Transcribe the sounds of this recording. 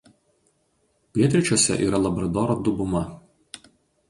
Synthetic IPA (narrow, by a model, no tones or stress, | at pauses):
pʲiɛt̪ʲɾʲɪt͡ʃʲoːsʲɛ̰ʔḭːɾɐlˠɐbɾɐd̪oːɾod̪ʊbʊmɐ